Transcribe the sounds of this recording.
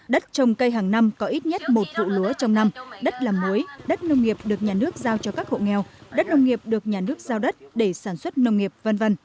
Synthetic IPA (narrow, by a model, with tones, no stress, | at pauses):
ɗə˦˥t̚t͡ɕə˨˧wŋ͡mkə˧jɦaː˨˩ŋna˧mkɔ˨˦ʔi˦˥t̚ɲə˦˥t̚mo˨˩t̚vṵ˧˨lu˨˦ət͡ɕɔ˧wŋ͡mna˧mɗə˦˥t̚laː˨˩mu˨˦jɗə˦˥t̚nə˧wŋ͡mŋi˨˩əp̚ɗɨ˨˩ək̚ɲaː˨˩nɨ˦˥ək̚zaː˧wt͡ɕɔ˧kaː˦˥k̚ho̰˧˨ŋɛ˧wɗə˦˥t̚nə˧wŋ͡mŋi˨˩əp̚ɗɨ˨˩ək̚ɲaː˨˩nɨ˦˥ək̚zaː˧wɗə˦˥t̚ɗe˧˩saː˧˩nswə˦˥t̚nə˧wŋ͡mŋi˨˩əp̚və˧nvə˧n